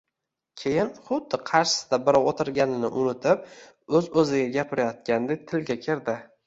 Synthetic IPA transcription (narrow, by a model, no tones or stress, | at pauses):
kʲʰejɪnχʊd̪ːɪqʰɑɾʃɪ̥sɪd̪abɪɾɒwot̪ʰɪɾɡʲanɪnɪʔʊnɪt̪ʰɪp̚ | ɵzɵzɪɡʲaɡʲapʰɪɾajɒt̪̚kʲand̪ek̚ʲt̪ʰɪlɡʲakʲʰɪɾd̪ɪ